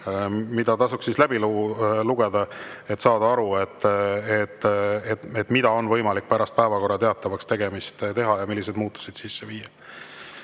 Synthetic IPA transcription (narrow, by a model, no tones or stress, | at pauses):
mid̪̥ɑt̪ɑsuksislæb̥iluluɡ̥e̞d̪̥ɑe̞t̪sɑːd̪̥ɑɑɾue̞t̪ːet̪ːˑeet̪ːˑmid̪̥ɑo̞nvɤjmɑlik̚ːpæɾɑst̪̚pæevɑko̞rːɑt̪e̞ɑt̪ːˑɑvɑkst̪e̞ɡ̥e̞mist̪t̪e̞ɦɑjɑmilːis̬ed̪̥muːt̪ːu̥sid̪̥sisːeviːjɑ